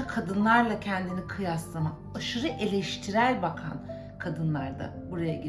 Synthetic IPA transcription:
akʰad̪ɯnlˠaɾlˠacʰɛnd̪inikʰɯjaslˠama | aʃɯɾɯʔe̞lʲɛʃt̪ʰiɾæɾbakʰa̰n | kʰad̪ɯnlˠaɾd̪a̰buɾajaɟi

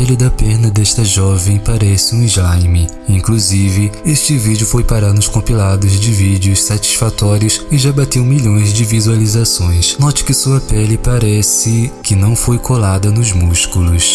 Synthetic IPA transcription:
pɛlid̪ɐpɛɾnɐd̪ɛʃt̪ɐʒɔvẽj̃paɾɛsɪũɪzlajmɪ | ĩŋkluzivɪeʃt͡ʃɪvid͡ʒɪʊfojpaɾanʊskõpilad̪ʊzd͡ʒɪvid͡ʒɪʊssat͡ʃi̥sfat̪ɔɾiʊsɪʒabat̪ewmiʎõj̃zd͡ʒɪvizualizasõj̃snɔt͡ʃɪ̥kɪsuɐpɛlɪpaɾɛsɪkɪnɐ̃w̃fojkʰolad̪ɐnʊzmuskulʊs

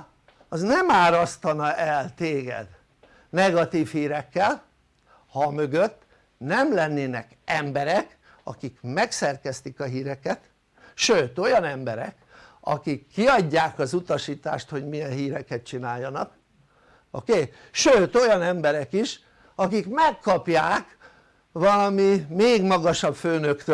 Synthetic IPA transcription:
ɒznɛmaːɾɒst̪ɒnɒʔɛlt̪eːɡɛ̰d̪ | nɛɡɒt̪iːfhiːɾɛkːɛl | hɒmø̞ɡøt̪ː | nɛmlɛnːeːnɛk | ɛmbɛɾɛk | ɒ̰kikmɛksɛrkɛst̪ikɒɦiːɾɛkɛt̪ | ʃøːt̪o̞jɒnɛmbɛɾɛ̰kɒ̰kikʰːiɒɟːaːkɒzut̪ɒʃiːt̪a̰ːʃt̪ho̞ɟmijɛnɦiːɾɛkɛt̪̚t͡ʃinaːjːɒnɒk | o̰keː | ʃøːt̪o̞jɒnɛmbɛɾɛkiʃ | ɒkikmɛkʰːɒpjaːk | ʋɒlɒmimeːɡmɒɡɒʃɒbføːnøkt̪ø

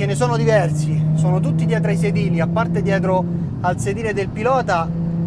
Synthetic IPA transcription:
enesɔːnod̪ivɛrsisɔːnot̪̬ut̪ːid̪jɛt̪̬ɾaised̪iːliapːart̪ed̪jɛːt̪̬ɾo | alsed̪iːɾed̪elpilɔːt̪a

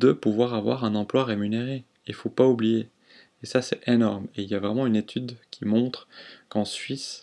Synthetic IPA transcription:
d̪əpuvwaʁavwa̰ʁɛ̃nɑ̃plwaʁemyneʁe | ilfopaublijeː | sasɛtenɔʁmeiljavʁɛmɑ̃ynet̪ʰyd̪kʲʰimɔ̃t̪χkɑ̃sɥis

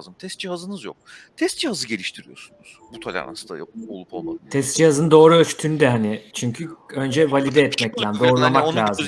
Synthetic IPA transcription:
zɯmt̪ʰɛst̪d͡ʒihazɯnɯzjo̞̰k̚t̪ʰɛst̪̚d͡ʒihazɯɟe̞lʲiʃt̪ʰiɾijo̞̰ɾsunuz̥but̪ʰolʲa̰na̰sɯnd̪a̰joolˠupʰolˠma̰t̪ʰɛst̪d͡ʒihazɯnd̪o̞ːɾuøt͡ʃy̥t̪ʰynyd̪ɛɦanɪt͡ʃʰyɲcʰyø̞nd͡ʒɛvalʲid̪ɛːt̪mɛct̪ʰænd̪o̞ːɾulˠamak̪lʲaːz

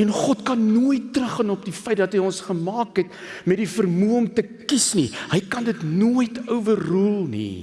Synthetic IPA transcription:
ɛnχɔtkɐnːuəjtːrəχːɑnɔp̚difəjt̚dɐtɦəjɔnsχəmɑːkɦɛt | mɛt̚difərmuəɔmtə | kisnihəjkɐndətnuəjtʰəwvərrulˠnḭ

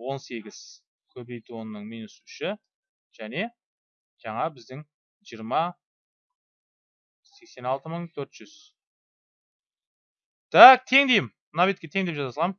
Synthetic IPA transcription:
wo̞nse̞ɡʲɪz̥ | kʲʰɵbe̞jt̪uwo̞nənəɴmijnusʏʃɪ | ʒ̥æne̞ | ʒ̥ɑɴɑbɪzd̪ɪŋ | ʒijəɾmɑ | se̞kse̞nɑlˠt̪əməɴt̪ʰɵɾt̪ʒ̥ʏz̥ | t̪ʰæk̚t̪ʰe̞ŋd̪e̞jɪm | navet̪kʲe̞t̪ʰeŋd̪epʒɑɑt̪ʰɑlˠɑm

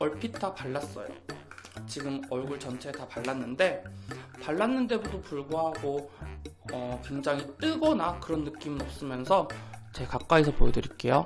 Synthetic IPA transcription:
ʌɭpʰitʰapaɭːas͈ʌ̰jo̰t͡ɕiɡɯmʌɭɡuɭt͡ɕʌnt͡ɕʰe̞tapaɭːanːɯnde̞paɭːanːɯnde̞budopuɭɡoɦaɡo | ʌkwe̞ŋd͡ʑaŋit͈ɯɡʌnakɯɾʌnːɯk͈imɯnʌp̚s͈ɯmjʌnsʰʌt͡ɕe̞kak͈aisʰʌpoedɯɾik͈e̞jo

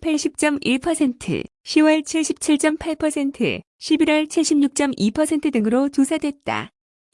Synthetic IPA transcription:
pʰaɭɕ͈ʰip̚t͡ɕ͈ʌmiɭpʰʌsʰe̞ntʰɯ̰ɕʰiwʌɭt͡ɕʰiɭɕʰip̚t͡ɕʰiɭt͡ɕ͈ʌmpʰaɭpʰʌsʰe̞ntʰɯ̰ | ɕʰibiɾwʌɭt͡ɕʰiɭɕʰibɲuk̚t͡ɕ͈ʌmipʰʌsʰe̞ntʰɯdɯŋɯɾot͡ɕosʰadwe̞t̚t͈a̰

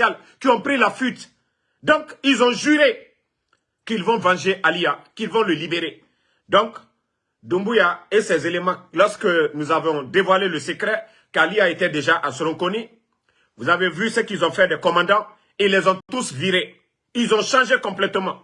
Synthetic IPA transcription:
al | kiɔ̃pɾilafyt̪ | d̪ɔ̃kilzɔ̃ʒyʁe | kilvɔ̃vɑ̃ʒeʔaliakilvɔ̃ləlibeʁe | d̪ɔ̃k | d̪ũmbujaesɛzelemɑ̃lɔʁskənuzavɔ̃d̪evwaleləsəkɾɛ | kaliaet̪ɛd̪eʒaʔasəɾɔ̃kɔni | vuzavevysəkilzɔ̃fɛd̪ɛkɔmɑ̃d̪ɑ̃ | ilːɛzɔ̃t̪usviʁe | ilzɔ̃ʃɑ̃ʒekɔ̃plɛt̪mɑ̃

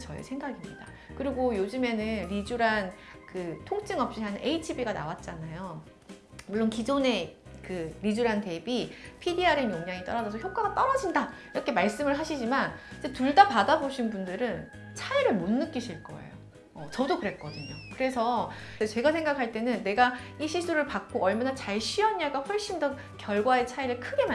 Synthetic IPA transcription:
t͡ɕʌḛsʰe̞ŋɡaɡimɲḭda̰ | kɯɾiɡojod͡ʑɯme̞nɯnɾid͡ʑuɾankɯtʰoŋt͡ɕ͈ʰɯŋʌp̚ɕ͈iɦanʔe̞itʰibiɡana̰wat̚t͡ɕ͈anajo | muɭːonkid͡ʑone̞ | kɯɾid͡ʑuɾante̞bipʰidiaɾenjoŋɲaŋit͈ʌɾad͡ʑʌsʰʌçjok͈̚aɡat͈ʌɾad͡ʑinda | iɾʌkʰe̞maɭs͈ɯmɯɭɦaɕʰid͡ʑimanid͡ʑe̞tuɭdapadaboɕʰinbundɯɾɯn | t͡ɕʰaiɾɯɭmonːɯk͈iɕʰiɭk͈ʌ̰ḛjo̰ | ʌt͡ɕʌdokɯɾe̞t̚k͈ʌdɯɲo̰kɯɾe̞sʰʌet͡ɕe̞ɡasʰe̞ŋɡakʰaɭt͈e̞nɯnːe̞ɡaiɕʰisʰuɾɯɭpak͈̚oʌɭmanat͡ɕaɭɕʰiʌɲːaɡaɸwʌɭɕ͈indʌ | kjʌɭɡwae̞t͡ɕʰaiɾɯɭkʰɯɡe̞ma

